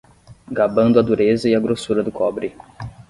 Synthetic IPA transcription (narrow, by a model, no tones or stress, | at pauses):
ɡabɐ̃nd̪ʊɐd̪uɾezɐɪɐɡɾosuɾɐd̪ʊkʰɔbɾɪ